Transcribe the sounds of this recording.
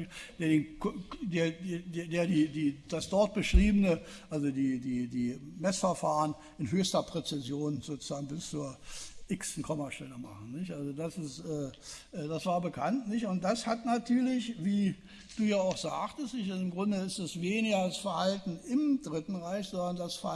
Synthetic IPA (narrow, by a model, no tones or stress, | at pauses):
d̥eːɐdeːnkdeːɐdeːdeːɐdiːdiːd̥asd̥ɔɐt̚b̥əʃʁ̥iːbənə | ʔalzodiːdiːdiːmɛsfɛɐfaːʁən | ʔɪnɦøːçstɐpʁ̥ɛt͡sɪzjoːnzoːt͡suz̥aːɡŋ̩bɪst͡suːɐʔɪksn̩kʰɔmɐʃtɛləma̰χn̩nɪçtʔalzodasɪstʔɛːʔɛːdasv̥aːɐbəkʰantnɪçtʊnt̚d̥ashatnatʰyːɐlɪçviː | d̥uːjaːaʊxz̥aːktəstnɪçtazɪmɡʁʊndəɪstɛsveːnɪɡɐasfɐhaltn̩ɪmd̥ʁɪtn̩ʁaɪçz̥ɔndɐndasf